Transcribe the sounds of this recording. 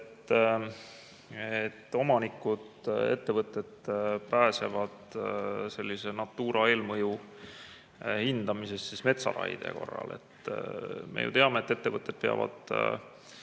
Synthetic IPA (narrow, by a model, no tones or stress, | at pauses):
t̪ː | et̪ːo̞mɑnikːˑud̪̥e̞̰t̪ːe̞vɤt̪ˑːe̞d̪̥pæːse̞vɑd̪̥se̞lːise̞nɑt̪ːˑuːɾʔɑe̞ːlmɤju | hind̪̥ɑmise̞st̪sisme̞t̪sɑ̰ɾɑ̰jd̪̥e̞̰ko̞̰rːɑ̰le̞̰t̪ | mḛjṵt̪e̞ɑme̞et̪ːe̞t̪ːe̞vɤt̪ːˑe̞d̪̥̚pe̞ɑ̰vɑ̰d̪̥